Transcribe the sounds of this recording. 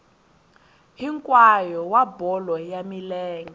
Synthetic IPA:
ɦiŋkʼwajɔwabɔlɔjamilɛːŋɡɛ

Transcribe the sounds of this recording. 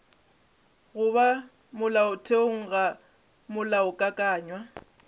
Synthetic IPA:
ɣʊβa | mʊlaʊtʰeoŋ̩ɣa | mʊlaʊkʼakʼaːɲwa

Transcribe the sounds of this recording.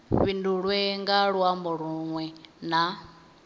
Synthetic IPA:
βinduɺwɛŋɡaɺwambɔɺuŋwɛna

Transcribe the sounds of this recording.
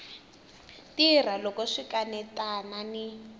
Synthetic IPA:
tir̤alɔkɔʂikanɛtanani

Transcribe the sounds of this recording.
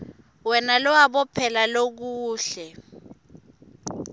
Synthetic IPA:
wɛnalɔwaɓɔpʰɛlalok̬uuːɬɛ

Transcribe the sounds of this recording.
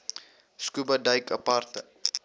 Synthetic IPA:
skubədɐjkɐ̰partə

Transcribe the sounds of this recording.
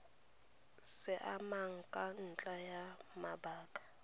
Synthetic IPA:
sɪʔamaŋ̩kʼan̩t͡ɬʼajamabaːkʼḁ

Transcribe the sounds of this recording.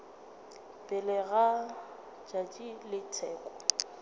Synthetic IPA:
pʼɪlɛɣa | t͡ʃʼat͡ʃʼilɪtʰɛːkʼɔ

